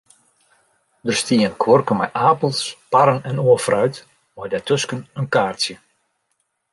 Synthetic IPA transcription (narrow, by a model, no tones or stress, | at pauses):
dərstiənkʰwɔrkəmɛ̰jʔaːpəlˠspaɾənɛnoəfrœɥt | ʋɔjdɛtøskənənkaːrsjə